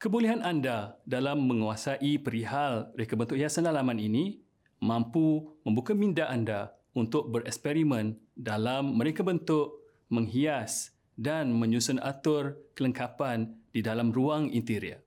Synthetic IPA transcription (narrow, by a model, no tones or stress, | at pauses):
kəbuliɦanandadalamːə̃ŋuasaʔipəɾiɦalɾekabənt̪ʊʔhiasanalamãnini | mãmpumə̃mbukamĩndaʔanda | unt̪ʊk̚bəɾɛ̰kspɛɾimə̃ndalamːəɾekabənt̪ʊʔ | mə̃ŋɦias | danmə̃ɲusʊna̰t̪ʊrkələŋkapandidalamruaŋḭnt̪iɾia̰